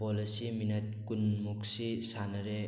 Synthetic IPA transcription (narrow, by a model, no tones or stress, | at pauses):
pɔlesiminɐt̚kunmuk̚sisanɐɾe